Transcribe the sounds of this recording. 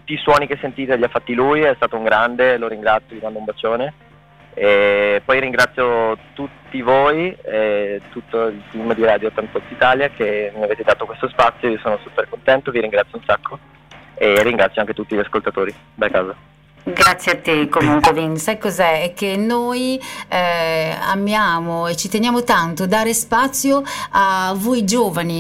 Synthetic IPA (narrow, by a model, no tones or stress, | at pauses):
t̪ut̪ːiːswɔːnik̟esːent̪iːt̪eʎiafːat̪ːilujɛst̪aːt̪ouŋɡɾand̪eloɾiŋɡɾat̪sjolimand̪oumbat͡ʃːoːne | epːɔjɾiŋɡɾat̪sːjot̪ut̪ːivoːjɛt̪ut̪ːoilt̪imd̪iɾaːd̪joːt̪ːant̪ɔk̪ːit̪aːljakʰemiaveːt̪ed̪aːt̪okwest̪ospat̪sːjoiosoːnosupːerkont̪ɛnt̪oviɾiŋɡɾat̪sjounsakːo | erːiŋɡɾat̪ːjoaŋket̪ut̪ːiʎaskolt̪at̪oːɾi | d̪akaːza | ɡɾat̪sːjeat̪ːekːomuŋkwed̪insajkːozɛɛk̟ːenːoj | a̰mjaːmoet͡ʃːit̪enjaːmot̪ant̪od̪aːɾespat̪sːjoavojd͡ʒoːvani